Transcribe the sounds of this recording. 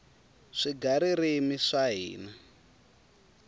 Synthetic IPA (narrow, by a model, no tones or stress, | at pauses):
ʂiɡaɾirimiʂaɦḭːna